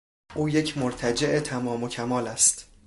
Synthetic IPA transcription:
ʔuːje̞cʰmoɾt̪ʰæd͡ʒe̞ʔet̪ʰæmɒːmo̞cʰæmɒːlæst̪

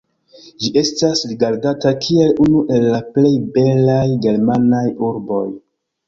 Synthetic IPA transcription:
d͡ʒiʔe̞stasliɡaɾɡatakʰie̞lunuʔe̞lːaple̞jbe̞lajɡe̞ɾmanajuɾbo̞j

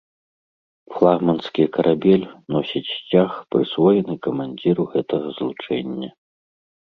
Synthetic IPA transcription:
flˠaɣmɐnskʲikɐɾʔabʲɛlʲnɔsʲit͡sʲt͡sʲaxpɾɨsvɔjɛnɨkɐmanʲd͡zʲiɾuɣɛt̪ɐɣɐzlˠut͡ʂɛ̰nʲːɐ

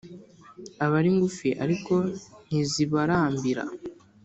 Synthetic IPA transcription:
aβaɾiŋɡufiʔa̰ɾiko̞n̥iziβaɾaːmbiɾa̰

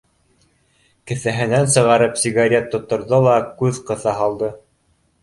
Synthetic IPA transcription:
kɘ̆θæɦɘ̆nænsɤ̆ʁɑɾɤpsʲiɡaɾʲet̪ːŏt̪ːŏɾðolˠɑkʉðqɤ̆θɑɦɑlˠd̪ɤ

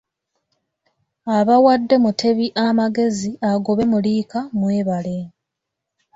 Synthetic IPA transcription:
aβawadːe̞mutʰe̞βiʔamaɡe̞ziaɡo̞βe̞muliːkamwe̞ːβale̞

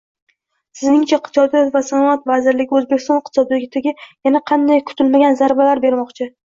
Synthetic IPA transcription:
sɪznɪŋt͡ʃʰaqʰt͡ʃ̪ɒd̪ijɒt̪vasanɒat̪vazɪɾlɪɡʲɪɵzbe̞kʲʰɪst̪ɒnqt̪ɪ̥sɒd̪lɪɡʲɪt̪ʰɪɡʲɪjanaqʰɑnd̪ajkʰʊ̥t̪ʰɪlmaɡʲanzaɾbalaɾbe̞ɾmɒqt͡ʃʰɪ

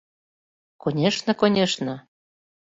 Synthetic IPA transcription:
konʲeʃnɤ̆konʲeʃnə̆

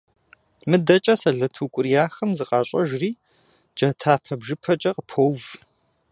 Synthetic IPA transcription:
mɨdɐt͡ʃʼɐsɐɮɐtʰukʷʼʊrijaːxɐmzɨqʼɑːɕʼɐ̰ʒriː | d͡ʒɐtʰaːpʰɐbʒɨpʰɐt͡ʃʼɐqəpʰowv

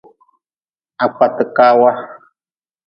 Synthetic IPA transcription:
ak͡pʷat̪ɨkawa

